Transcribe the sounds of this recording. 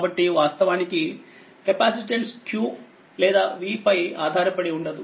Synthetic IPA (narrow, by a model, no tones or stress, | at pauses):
bɐʈːiʋaːst̪ɐʋaːniki | kepaːsiʈelskʰjuː | lɛːd̪aːʋiːpɐjaːd̪ʱaːɾɐpɐɽiuɳɖɐd̪u